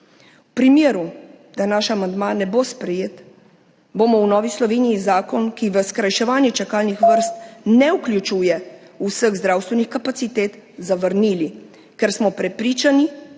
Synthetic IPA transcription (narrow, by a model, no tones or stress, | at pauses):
upɾimjeːɾu | d̪̥anaʃamand̪manɛbospɾɛjeːt̪ | boːmɔwnɔːʋislɔʋeːniizaːkɔnkiʋəskɾajʃɛʋaːnjɛt͡ʃakaːlnixʋəɾst̪nɛuklʲjut͡ʃuːjɛusəɣzd̪ɾaːwst̪ʋɛnixkapat̪sit̪eːt̪zaʋəɾniːli | kɛɾsmɔpɾɛpɾiːt͡ʃani